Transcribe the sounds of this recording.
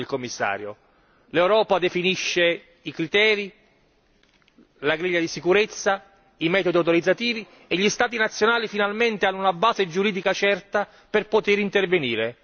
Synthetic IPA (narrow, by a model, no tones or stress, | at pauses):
elkomːisːa̰ːɾjo | lewɾɔːpad̪efiniʃːe | ikɾit̪ɛːɾi | laɡɾiʎːad̪isikuɾet̪sːa | imɛːt̪od̪iawt̪̬oɾid̪zːat̪iːvi | eʎːist̪aːt̪̬inat̪sːjonaːlifinalment̪eanːuunabaːzed͡ʒuɾiːd̪ikat͡ʃɛrt̪a | perpot̪ɪɾint̪erveniːɾe